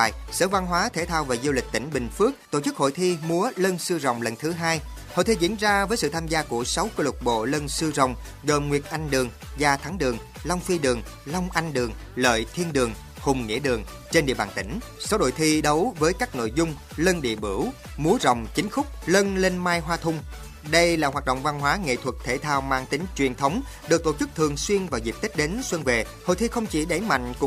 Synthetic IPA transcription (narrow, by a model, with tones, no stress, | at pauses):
jsəː˧˦va˧nɦwaː˨˦t̪ʰe˧˩t̪ʰaː˧wvaː˨˩zu˧wlï˨˩k̟̚t̪ï˧˩ŋ̟ɓï˨˩ŋ̟fɨ˦˥ək̚t̪o̰˧˨t͡ɕɨ˦˥k̚ho̰˧˨jt̪ʰi˧mu˨˦ələ˧nsɨ˧zə̰˧˨wŋ͡mlə˨˩nt̪ʰɨ˨˦ɦaː˧j | ho̰˧˨jt̪ʰi˧zḭ˧˥ənzaː˧vəː˨˦jsɨ̰˧˨t̪ʰaː˧mzaː˧ku˧˩əsa˨˦wkəː˧lʊ˨˩t̚ɓo̰˧˨lə˧nsɨ˧zə̰˧˨wŋ͡m | ɣəː˨˩mŋwi˨˩ət̚ʔa˧jŋɗɨ˨˩əŋ | zaː˨˩t̪ʰa˨˦ŋɗɨ˨˩əŋ | lɔ˧wŋ͡mfi˧ɗɨ˨˩əŋ | lɔ˧wŋ͡mʔa˧jŋ̟ɗɨ˨˩əŋlə̰ː˧˨jt̪ʰi˧ənɗɨ˨˩əŋ | hʊ˨˩ŋ͡mŋḭ˧˥əɗɨ˨˩əŋ | t͡ɕe˧nɗḭ˧˨əɓaː˨˩t̪ï˧˩ŋ̟ | sa˨˦wɗo̰˧˨jt̪ʰi˧ɗə˨˦wvəː˨˦jkaː˦˥k̚no̰˧˨jzʊ˧ŋ͡m | lə˧nɗḭ˧˨əɓɨ˧˩w | mu˨˦əzə˨˩wŋ͡mt͡ɕï˨˦ŋ̟xʊ˦˥k͡p̚lə˧nle˧nmaː˧jɦwaː˧t̪ʰʊ˧ŋ͡m | ɗə˧jlaː˨˩ɦwaː˨˩t̚ɗo̰˧˨wŋ͡mva˧nɦwaː˨˦ŋḛ˧˨t̪ʰwə˨˩t̚t̪ʰe˧˩t̪ʰaː˧wmaː˧ŋt̪ï˨˦ŋ̟t͡ɕwi˨˩ənt̪ʰə˨˦wŋ͡m | ɗɨ˨˩k̚t̪o˧˩t͡ɕɨ˦˥k̚t̪ʰɨ˨˩əŋswi˧ənvaː˨˩zi˨˩p̚t̪i˦˥k̚ɗe˨˦nswə˧nve˨˩ | ho̰˧˨jt̪ʰi˧xə˧wŋ͡mt͡ɕi˧˩ɗə˧˩jma̰˧˨jŋ̟kʊ˧˥